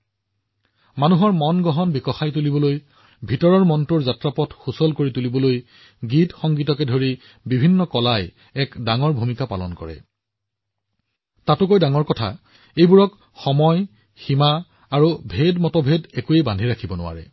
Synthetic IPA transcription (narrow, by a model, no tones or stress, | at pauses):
manuɦɔɹmɔnɡɔɦɔnbikɔxajtulibɔloj | bʱitɔɹɔɹmɔntuɹzatɹapɔtxusɔlkoɹitulibɔloj | ɡitxɔŋɡitɔkɛdʱoɹi | bibʱinːɔkɔlaj | ɛkdaŋɔɹbʱumikapalɔ̰nkɔ̰ɹɛ̰ | tatʊkojdaŋɔɹkɔtʰa̰ | ejbuɹɔk | xɔmɔj | ximaː | ɹubʱedmɔtɔbʱedɛkuejbandʱiɹakʰibɔnʊwa̰ɹɛ̰